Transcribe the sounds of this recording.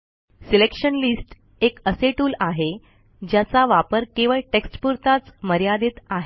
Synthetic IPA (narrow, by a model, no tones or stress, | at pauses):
silekʂənlisʈ | ekəseʈuːlaɦe | d͡ʑjat͡saʋapəɾkeʋəɭʈeksʈpuɾt̪at͡sməɾjad̪et̪aɦe